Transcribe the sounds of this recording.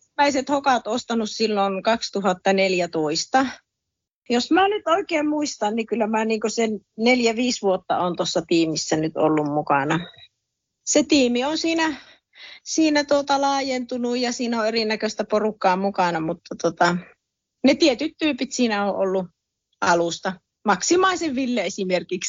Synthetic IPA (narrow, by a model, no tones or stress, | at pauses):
næiset̪hokɑt̪ost̪ɑnussilːonkɑkst̪uhɑt̪ːɑneljæt̪oist̪ɑ | josmænyt̪oˑikeːmmuist̪ɑnnikylːæmæːniːŋkosenneljæʋiːsʋuot̪ːɑ̰ont̪osːɑt̪iːmisːænyt̪o̰lːummukɑnɑ | set̪iːmionsiːnæ | siːnæt̪uot̪ɑlɑːjent̪unujɑsiːnoerinækøst̪æporukːɑːmukɑnɑmut̪ːɑt̪ot̪ɑ | net̪iet̪yt̪tyːpit̪siːnæoːʔolːu | ʔɑlust̪ɑ | mɑksimɑˑiseʋʋilːeesimerkiks